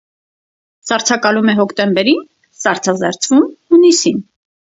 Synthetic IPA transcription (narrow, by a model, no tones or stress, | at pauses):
sɑɾt͡sʰɑkɑlumɛɦɔkʰt̪ɛmbɛɾin | sɑɾt͡sʰɑzɛɾt͡sʰvumhunisin